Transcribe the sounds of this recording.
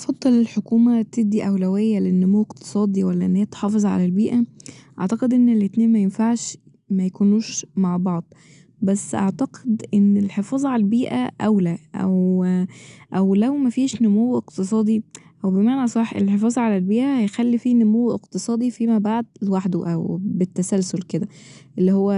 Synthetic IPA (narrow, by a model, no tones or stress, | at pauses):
t̪ɑfɑd̪ˤːɑlelħokuːmæt̪eb̚d̪ːiʔæwlæwejːælenːomowːeqt̪e̥sˤɑːd̪ˤiwælːæʔenːhæːæt̪ħɑːfezˤʕa̰lælbiːʔæʔɑ̰ʕt̪ɑqed̪ʔenːelet̪neːnmæjenfaʕʃ | mæjækuːnuːʃmaʕbɑʕd̪ˤ | bæsːʔaʕt̪æqed̪ʔenːelħefɑːzˤʕalælbiːʔæ̰ʔæwlæʔæ̰w | ʔæwlæwmæfiːʃnomowːʔeqt̪es̬ˤɑːd̪ˤiʔæwbemaʕnæsˤɑħʔḛlħefɑːzˤʕalælbiːʔæhæjxælːifiːnomowːʔeqt̪esˤɑːd̪ˤifimæbaʕd̪̚lwaħd̪uʔæ̰wbet̪ːæsælsolked̪æ | ʔelːihowːæ